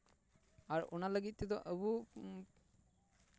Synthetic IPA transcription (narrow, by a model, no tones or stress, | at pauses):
aɹo̰naləɡit̪̚ːit̪ɔʔəbu